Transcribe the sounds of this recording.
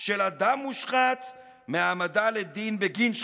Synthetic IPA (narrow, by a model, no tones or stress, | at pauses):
ʃelad̪amuʃχat̪ | meamadaled̪inbeɡinʃ